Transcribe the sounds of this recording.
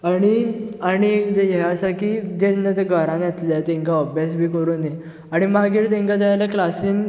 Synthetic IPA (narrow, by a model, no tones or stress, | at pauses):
aɽ̃iaɽ̃id͡ʑejɛɦasakiːd͡ʑẽnat̪eɡʱəɾãnjɛt̪lat̪ẽŋkaəbʱjasbʱiːkəɾuːnje | aɽ̃imaɡiːɾt̪̬ẽŋkad͡z̪aalaklasiːn